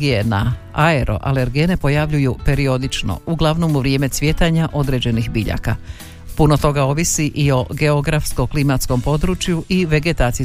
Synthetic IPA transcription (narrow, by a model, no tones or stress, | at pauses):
ɡiena̰ | aeɾʔo̞̰ʔa̰le̞ɾɡiene̞po̞jaʋʎujupe̞ɾio̞d̪it͡ʃno̰uɡlˠaʋno̞muʋɾje̞ːme̞t̪sʋje̞t̪aɲaʔo̞d̪ɾed͡ʑe̞nixbiʎa̰ka̰ | puno̞t̪o̞ɡao̞ʋisiʔio̞ɡe̞o̞ɡɾafsko̞klimat̪sko̞mpo̞d̪ɾut͡ʃjuʔiʋe̞ɡe̞t̪aːt̪si